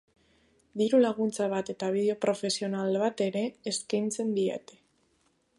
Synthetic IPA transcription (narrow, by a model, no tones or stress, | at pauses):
d̪iɾulaɣ̞unt͡saβ̞at̪e̞t̪aβ̞iðeo̞pɾo̞fe̞sio̞nalβat̪e̞ɾe̞ːskajnt͡se̞nd̪iḛt̪e̥